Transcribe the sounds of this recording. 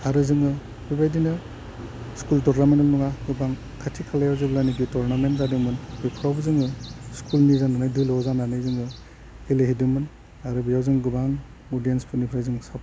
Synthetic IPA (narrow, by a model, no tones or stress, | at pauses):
aɾɯzɯŋɯ | bibajdinɯ | skultɔɾnamentɔlnuŋaɡɯbaŋ | kʰatʰikʰalajawzɯɡlajniɡitɔɾnamentzadɯmɯnbijpʰɾawbzɯŋɯskʰulnizananajdujlɔzananajzɯŋɯ | ileɦidɯmɯn | aɾɯbijawzɯŋɡɯbaŋ | ɔdijenspʰɯnipʰɾajzɯŋsap